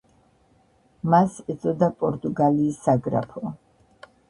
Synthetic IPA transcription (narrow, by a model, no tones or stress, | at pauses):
masɛt̪sʼɔd̪apʼɔɾt̪ʼuɡaliːsːaɡɾa̰pʰɔ